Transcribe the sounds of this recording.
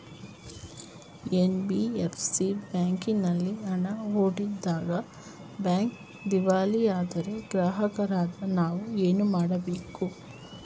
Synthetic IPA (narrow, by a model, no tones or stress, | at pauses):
enbiepʰsibjaːŋkinɐlːiɐɳɐɦoːɽid̪ːaːɡɐ | bjaːŋk | d̪iʋaːlijaːd̪ɐɾe̞ɡɾaːɦɐkɐɾaːd̪ɐnaːʋueːnumaːɽɐbeːku